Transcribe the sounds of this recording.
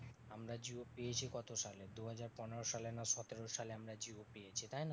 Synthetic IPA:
amɾad͡ʑiopijet͡ɕʰikɔt̪oʃaled̪uɦad͡ʑaɾpɔneɾoʃalenaʃɔt̪eɾoʃaleamɾad͡ʑiopijet͡ɕʰit̪ajna

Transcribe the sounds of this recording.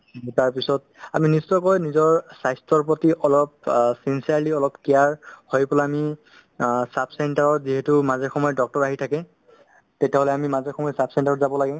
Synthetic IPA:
taɹpisɔt̚ | aministɔkɔjnizɔɹsajstɔɹpɹɔtiʔɔlɔp̚sinsiaɹliɔlɔpkijaɹhojpɔlaːmi | sapʰsɛntaɹɔɹziɦetumazɛɹxɔmɔjɔdɔk̚tɔɹaɦitʰakɛ | tetɛɦolɛamimazɛɹxɔmɔjɔsapʰsɛntaɹɔtzabɔlaɡɛ

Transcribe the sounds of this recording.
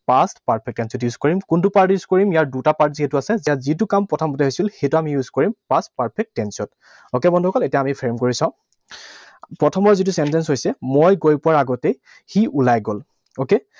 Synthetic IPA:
pastpaɹpʰɛk̚tɛnsjɔtjuzkoɹimkuntupaɹtjuzkoɹimijaɹdutapaɹtziɦɛtuasɛzijazit̬ukampɹɔtʰɔmɔtɛɦojsilxetuamijuzkɔɹimpastpaɹpʰɛk̚ttɛnsiɔnt | okebɔndʱuɔkɔletijaamipʰɹemkoɹisãʊ̃ | pɹɔtʰɔmɔɹzit̬usɛntɛnsɦojsɛmojɡojpʊwaɹaɡɔtɛ | xiʔulajɡol | oke

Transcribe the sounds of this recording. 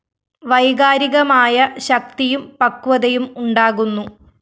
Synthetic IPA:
ʋɐjɣaːɾiɣɐmaːjɐɕɐk̚t̪ijumpɐkːuʋɐðɐjumuɳɖaːɣunːu

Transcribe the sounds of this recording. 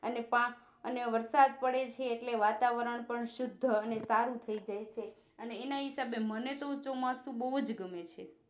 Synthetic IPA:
ənepã | əneʋəɾsad̪̚pəɽet͡ʃʰeːʈleʋat̪aʋəɾəɳpəɳʃʊd̪ʱːəənesaɾũt̪ʰəid͡ʒajt͡ʃʰe | əneːnaɦisabemənet̪ot͡ʃomasũbəɦud͡ʒɡəmet͡ʃʰe

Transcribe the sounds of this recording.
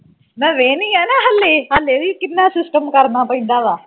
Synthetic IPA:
mɛ̃ːʋeːnĩːɛːnãːɦəlːeːɦəlːeːʋiːkɪnːaːsɪsʈəmkəɾnaːpəĩːnd̪aːʋaː

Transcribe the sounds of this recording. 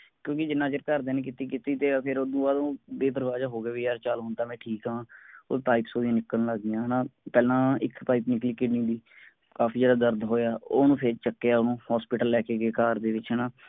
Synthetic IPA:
kjõːkɪd͡ʒɪnːãːd͡ʒəɾkəɾd̪eːnẽk̬ɪt̪iːkɪt̪iːt̪eːpʰɪɾoːd̪ũːaːd̪õːbeːd̪əɾʋaːd͡ʒaːɦoːɡaːʋiːjaːɾt͡ʃalɦoːnt̪aːmɛ̃ːʈʰiːkɦãːo̰ːpaːipsoːdiãːnɪkːənləɡɪjãːɦnãːpɛːlãːɪkpaːipnɪklɪːkɪɖnĩːd̪iː | kaːpʰiːd͡ʒeːɽaːd̪əɾd̪ɦoːjaːoːnũːpʰɪɾt͡ʃəkːeːaːʊnũːhaːspɪʈəlːɛːkeːɡeːkaːɾd̪eːʋɪt͡ʃɦɛːnãː

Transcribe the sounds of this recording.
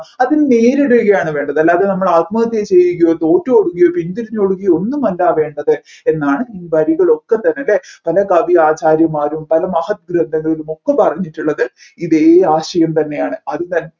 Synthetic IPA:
ɐðinneːɾeɽukːɣɐjaːɳɨʋe̞ːɳɖɐðɐlːaːðenɐmːɐɭaːt̪̚mɐːɐt̪ːjet͡ɕe̞jɾikʲːujot̪o̞ːtːooɽuɣɐjopint̪iɾiɲːoɽuɣɐjo̞nːumɐlːaːʋe̞ːɳɖɐðɨ | e̞nːaːɳɨiːʋɐɾiɣɐɭo̞kːe̞t̪ːɐnːeɐlːepɐlɐkɐʋiaːt͡ɕaːɾjɐmaːɾumpɐlɐmɐhɐt̪̚ɡɾɐnd̪ʱɐŋːɐlumo̞kːepɐrɐɲːiʈːuɭːɐðɨ | iðeːaːɕɐjɐmt̪ɐnːe̞jaːɳɨɐðɨt̪ɐnː

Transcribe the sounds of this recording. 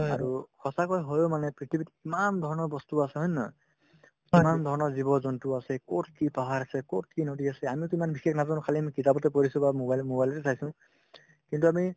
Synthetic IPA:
aɹukʰɔsakɔjɦojomanɛpɹitʰibitimand̪ʱɔɹɔnɔɹbɔstuasɛɦɔjna | imand̪ʱɔɹɔnɔɹzibɔzɔntuasɛkot̚kipaɦaɹasɛkot̚ʰkinodiasɛamituimanbixeknazãnkʰaliamikitabɔtɛpoɹisũbamobajlmobajlɔtɛtʰajsʊ̃ | kintuami

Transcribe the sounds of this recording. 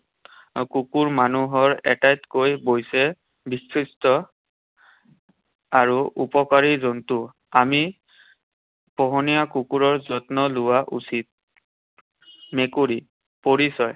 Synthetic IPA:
kukuɹmanuɦɔɹɛtajtkojbojsɛ | bisɹistɔ | aɹuʔupɔkaɹizɔntu | ami | pɔɦɔnijakukuɹɔɹzɔtnɔlʊwaʔusit̚ | mekuɹi | poɹisɔj

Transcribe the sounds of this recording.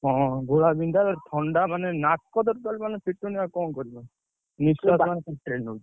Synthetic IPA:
ɦɔ̃ɡoɭabind̪alaɾt̪ʰɔɳɖamanenak̚kːɔd̪ɔɾt̪almanepʰiʈːuniakɔnkɔɾibɔ | niskasmanekɔɾʈɾenu

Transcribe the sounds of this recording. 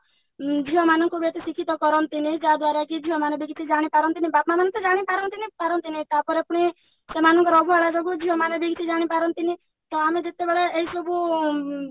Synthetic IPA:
d͡ʒiɦɔmanɔŋkubet̪isikʰit̪ɔkɔɾɔnt̪inid͡ʒad̪waɾakid͡ʒiɦɔmanebiɡt̪id͡ʒaɽ̃ipaɾɔnt̪inibat̪mamanɔ̃t̪ɔd͡ʒaɽ̃ipaɾɔnt̪inipaɾɔnt̪init̪aɾpɔɾapuɽ̃i | semanɔŋkɔɾɔbuaɭasɔɡud͡ʒiɦɔmanebikt̪id͡ʒaɽ̃ipaɾɔnt̪ini | t̪ɔamed͡ʒet̪ebeɭeʔeɦisɔbu

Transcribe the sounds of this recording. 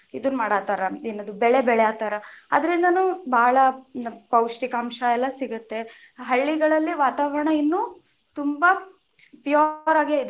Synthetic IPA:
id̪unːumaːɽaːt̪aːɾɐenːɐd̪ubɛɭebɛɭɛjaːt̪aːɾɐɐ̰d̪ɐɾind̪ɐnuːbʱaːɭɐpɐwʂʈikɐːmʃɐɛlːɐsiɡut̪ːe̞ | ɦɐɭːiɡɐɭɐlːiʋaːt̪aːʋɐɾɐɳɐinːuː | t̪umbɐ | pjaːɾaːɡeeid̪

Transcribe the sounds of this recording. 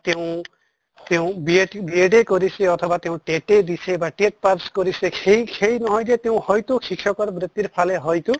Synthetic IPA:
t̪eũ | t̪eũbieʈbieɖekɔɾiseɔt̪ʰɔbat̪eũʈeʈed̪isebaʈeʈ̚paɾskɔɾiseejhʰejnɔɦɔjd̪et̪eũhɔjt̪ukʰikʰjɔkɔɾmɾit̪ːiɾpʰaleɦɔjt̪u

